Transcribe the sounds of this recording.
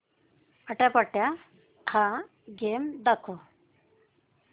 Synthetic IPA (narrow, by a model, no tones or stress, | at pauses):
əʈapəʈːja | tʰã | ɡeːmd̪ɐkʰo